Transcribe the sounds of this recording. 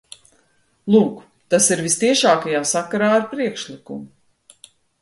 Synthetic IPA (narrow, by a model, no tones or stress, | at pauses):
lˠuːk | t̪asiɾvist̪iɛʃaːkajamsakaɾaːaɾpɾiɛkʃlˠikṵmu